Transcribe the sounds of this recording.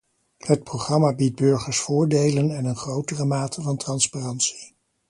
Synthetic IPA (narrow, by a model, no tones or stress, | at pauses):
hət̚prowχrɑmaːbid̚bɵɹχəɹsfʊːɹdejlənɛnənχrowtərəmaːtʰəvɑntrɑnsparɑntsi̥